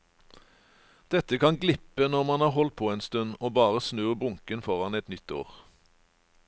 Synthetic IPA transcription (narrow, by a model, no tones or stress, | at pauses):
d̪̥ɛt̪əkʰɑnɡlɪpənɔʁmɑnhɑːʁɦɔlt̪̚pʰoːeːnst̪ʉnoːbɑːʁəsnøːʁbʁʊŋkənfɔʁɑnɛt̪nʏt̪o̰ːʁ